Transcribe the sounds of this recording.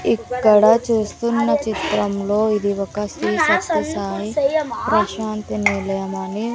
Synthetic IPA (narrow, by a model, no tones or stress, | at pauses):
ikːɐɽɐt͡ʃuːst̪unːɐt͡ʃit̪ɾɐmlo̞ːid̪iʋɐkɐsisɐt̪ɐsaːipɾɐʃaːnt̪iniɾlɐjɐmɐni